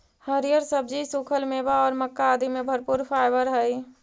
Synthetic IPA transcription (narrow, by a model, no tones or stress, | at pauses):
həɾijəɾsəb̚d͡ʒisukʰəlmebaɔːɾməkːaːd̪ʱimẽbʱəɾpuːɾpʰaːɪbəɾɦəi